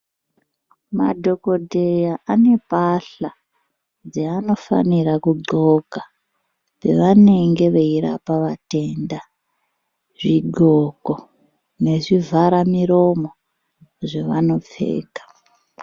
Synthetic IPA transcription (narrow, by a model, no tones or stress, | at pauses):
ma̰dʱo̞ko̞dʱe̞jaʔane̞paɬa | d͡zeano̞fa̰nirakuɡ͡ǃo̞ka | pe̞̰ʋane̞ŋɡe̞ʋeiɾa̰paʋate̞nda | ʐiɡʱoko | ne̞ʐivʱaɾamiɾo̞mo̞ | ʐe̞ʋano̞p͡fe̞̰ːkḁ